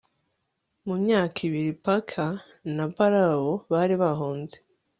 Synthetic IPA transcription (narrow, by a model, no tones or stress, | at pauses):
mumɲaːkʰiβiɾipakʰanapaɾaoβaɾiβaɦoːnze